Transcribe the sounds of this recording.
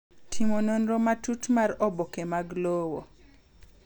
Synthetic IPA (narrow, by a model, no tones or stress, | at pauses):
tʰimononɾomatutmaɾɔbokemaɡlowo̰